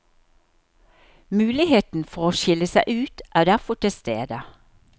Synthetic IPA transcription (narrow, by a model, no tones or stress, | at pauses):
mʉːlɪheːt̪n̩fɔʁoːʃɪləsæɪʔʉːt̪ʔæːd̪æʁfɔʈʰɪlst̪ḛːd̪ə